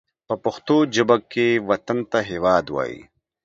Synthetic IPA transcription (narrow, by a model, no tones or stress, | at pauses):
pəpɐxt̪od͡ʒəbakːewɐt̪ant̪aɦeːwɑːd̪wa̰ːjḭ